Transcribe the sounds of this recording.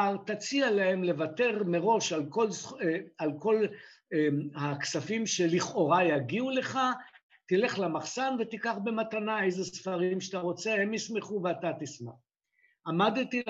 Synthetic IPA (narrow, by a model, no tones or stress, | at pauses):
tat͡sialahe̞mle̞vat̪e̞ʁme̞ʁo̞ʃalkolsalko̞l | haksafimʃeliχʔo̞ʁajaɡiule̞χa | t̪ile̞χlamaχsanvet̪ikaχbe̞matanae̞jzesfaʁimʃataʁo̞t͡se̞hemjisme̞χuveat̪at̪isma̰χ | amad̪t̪i